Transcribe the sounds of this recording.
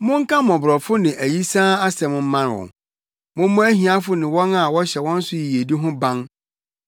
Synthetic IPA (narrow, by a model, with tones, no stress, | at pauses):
mʊ̃˦ŋ̩˦kʰã˦mɔ̃˨bɾɔ˨fʊ˦nɪ̃˨ʔæ˨ji˦sãː˦a˦sɛ˨mʊ̃˦m̩˦mã˦n˨wɔ̰̃˨ | mʊ̃˦m˦mʊ̃˦æ˦ɦĩ˨a˦fʊ˦nɪ̃˨wɔ̃˦na˨wɔ˦ɕɛ˨wɔ̃˦n̩˦sʊ˦ji˨e˨di˦ɦʊ̃˦bã˦n